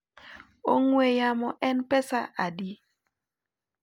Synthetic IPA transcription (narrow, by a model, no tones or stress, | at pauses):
oŋwejamɔʔɛnpɛsaʔadi